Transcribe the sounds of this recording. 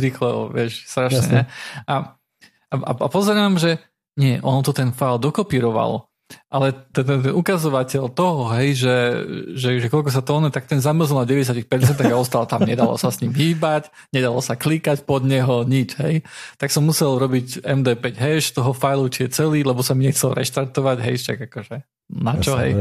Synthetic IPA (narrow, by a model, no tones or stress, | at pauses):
ɾiːxlɛɔ̰ʋɪɛʃst̪ɾaʃɛ̰ɲɛʔa | aa̰a̰pɔzɛɾaːmʒɛ | ɲɛʔɔnt̪ɔt̪ɛnfajld̪ɔkɔpiːɾɔʋa̰lɔ̰ | ʔalɛt̪ɛt̪ɛnukazɔʋacɛlt̪ɔɦɔɦɛjʒɛʒɛʒɛkɔlkɔs̬at̪ɔːnɛt̪ak̚t̪ɛnzamr̩zilˠnaɟɛʋɛsjacixpɛɾt͡sɛnt̪aaɡaɔst̪alt̪amɲɛd̪alɔ̰sasɲimɦiːbac | ɲɛd̪alɔsaklikacpɔd̪ɲɛɦɔɲid͡ʒɦɛjt̪aksɔmːusɛlɾɔbicɛmd̪ɛːpɛɟɦɛʃt̪ɔɦɔfajlut͡ʃijɛt͡sɛliːlɛbɔsamiɲɛxt͡sɛlɾɛ̰ʃt̪aɾt̪ɔʋaɟɦɛjʃa̰ɡakɔʒɛ | nat͡ʃɔɦɛ̰j